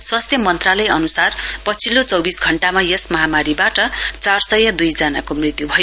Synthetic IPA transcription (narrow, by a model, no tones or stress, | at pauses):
swast̪ʰjʌmʌnt̪ralʌjʌnusarpʌt͡sʰilot͡sʌwbisɡʱʌɳʈamajesmʌɦamaɾibaʈʌt͡sarsʌjʌd̪ujd͡zʌnakomrit̪jubʱʌjo